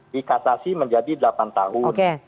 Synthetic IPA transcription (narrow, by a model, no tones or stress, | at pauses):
dikasasiməɲd͡ʒadidəlapant̪aɦʊnke